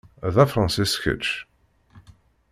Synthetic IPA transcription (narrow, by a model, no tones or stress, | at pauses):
ðæfɾˤɑ̃nsisçə̰t͡ʃ